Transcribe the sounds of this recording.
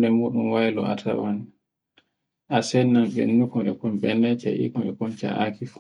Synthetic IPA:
dɛmuɗumwajlɔ̰a̰tʰa̰wan | ʔasɛnːamɓɛ̰nːukɔɛkɔnɓɛnɛt͡ʃa̰ʔḭkɔnɛkɔnt͡ʃa̰ʔakif

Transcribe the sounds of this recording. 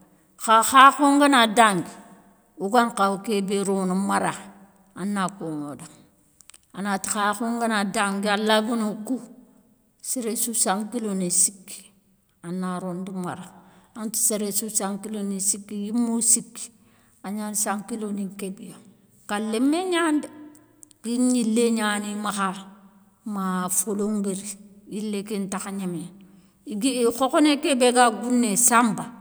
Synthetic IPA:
xaxaxuŋɡanadaŋɡi | uɡaŋkaukebeɾonumaɾa | anːakoŋodaŋ | anati̥xaxuŋɡanadaŋɡialaɡunoku | seɾesusaŋkilonisikːi̥ | anːaɾunduma̰ɾaanti̥seɾesusaŋkilonesikːijimːosikːi̥ | aɲansaŋkilonikebijo | kalemeɲandi | kiɲilːeɲanimaxa | mafoloŋɡeɾijilːekintaxaɲeme | iɡiixokonekebeɡaɡunːesamba

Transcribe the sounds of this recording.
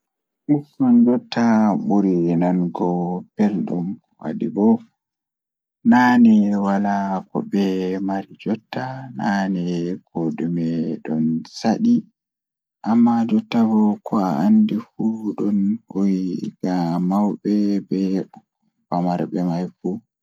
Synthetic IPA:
ʔufɔnd͡ʒɔtʰːaɓuɾinanɡɔpɛlɗum | wa̰dibɔ | nanɛwalakɔ̰bɛmaɾid͡ʒɔtːananɛkodumɛɗɔnsaɗi | ʔamːad͡ʒɔtːabɔkʰɔaandifuɗɔnhojiɡ̥amawbɛbɛ | pamaɾbɛmajfu

